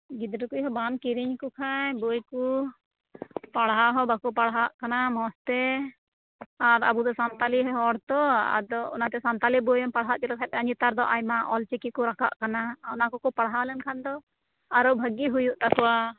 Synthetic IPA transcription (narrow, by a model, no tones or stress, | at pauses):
ɡid̪ɾukujɦɔbamkiɾiɲkukʰajbɔjku | paɽɦaɦɔbakupaɽɦaʔkanamɔst̪ɛ | aɾa̰bud̪ɔsant̪aliɦɔɦɔɽt̪ɔa̰d̪ɔɔnat̪ɛsant̪alibɔjɔmpaɽɦaʔt͡ʃɛd̪ɔkʰat̪aɲit̪aɾd̪ɔʔajmaʔɔlt͡ʃɛkikuɾaka̰ʔkanaɔnakɔkɔpaɽɦalɛnkʰand̪ɔ | aɾɔbʱəɡiɦujuʔt̪akɔwa